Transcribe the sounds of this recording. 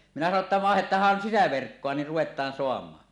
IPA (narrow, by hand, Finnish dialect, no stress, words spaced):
minæ sɑno tːɑ ʋɑˑehetˑɑːhːɑn sisæʋerkːoɑ ni ruwetˑɑːn soɑmˑɑːn